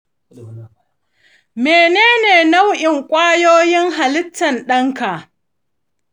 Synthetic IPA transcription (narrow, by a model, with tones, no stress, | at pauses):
meː˨neː˦neː˨na˦wʔɪ˨ŋkʷʼaː˦joː˦jɪ˦ŋɦa˨lɪ˦tːɐ˨nɗɐ˦ŋka˨ʔ